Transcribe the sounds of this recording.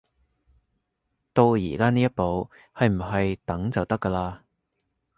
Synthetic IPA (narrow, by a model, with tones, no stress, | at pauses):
t̪o˧wjḭː˨˩kaː˥niː˥jɐ˥t̚po˨˧w | hɐ˨jm̩˨˩ɦɐ˨jt̪ɐ˨˥ŋt͡sɐ˨wt̪ɐ˥kːɐː˧laː˧